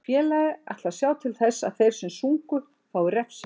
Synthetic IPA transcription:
fjɛːlaðɪa̰jht̪lḁsjaːwt̪ʰɪlθɛsːa̰ðθejɾ̥sɛmsuŋkʏ | faːwʏɾɛfsɪ

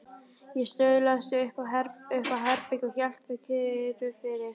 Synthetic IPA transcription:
jɛst̪œɥðlast̪ʏhkaɛɾʏhkaɦɛɾpɪcɔçɛl̥t̪ʏkʰɪɾʏfɪɾɪɾ̥

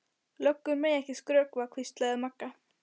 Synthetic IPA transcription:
lœkːʏɾmɛjɛhcɪskɾœːkvakʰvist̪laðɪmakːa

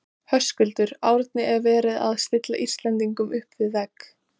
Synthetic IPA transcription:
hœskʏlt̪ʏɾaːwɾt̪nɪʔɛɾvɛːɾɪða̰ðst̪ɪt̪laʔist̪lɛnt̪iŋkʏmʏhpvɪðvɛk

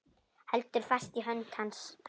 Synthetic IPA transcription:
hɛlt̪ʏɾ̥fast̪iɦœnt̪ʰhanspʰ

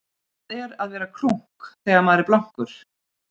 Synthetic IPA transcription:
tɛɾaðvɛːɾakʰɾuŋ̥kθɛːɣamaːðɾɪplawŋ̥kʏɾ̥

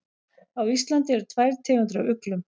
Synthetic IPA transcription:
awist̪lant̪ɪɛɾʏt̪ʰvajɾ̥t̪ʰɪːhʏnt̪ɾʏawʏklʏm

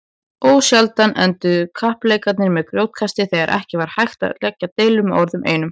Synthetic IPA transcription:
oːwsjalt̪anʔɛ̰nt̪ʏkʰahpleːjkat̪nɪɾmɛðkɾjowt̪̚kʰast̪ɪθɛɣaɾʔɛ̰hcɪvaɾ̥hajxt̪a̰ðlɛcːat̪eːjlʏmɔɾðʏmʔḛːjnʏm

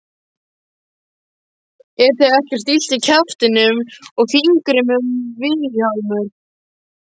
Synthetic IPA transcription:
ɛɾθeðɛhcɛɾ̥t̪il̥t̪ɪcʰaft̪ɪnʏmɔɣθiŋkɾɪmʏmvɪðjawmʏɾ̥

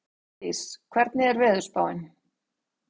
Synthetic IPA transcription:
iskʰvɛɾt̪̚nɪɛɾvɛːðʏ̥spaːwɪn

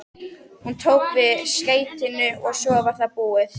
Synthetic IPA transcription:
hunt̪ʰoːwkvɪðskeːjt̪ɪnːʏɔɣsjɔːvḁθapuːɪθ

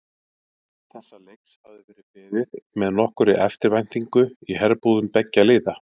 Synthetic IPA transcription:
θɛsːalejkshavðɪvɛːɾɪðpɪːðɪðmɛðnɔhkʏɾɪʔɛft̪ɪɾvajn̥t̪iŋkʏiɦɛɾpuːðʏmpɛcːaleːða

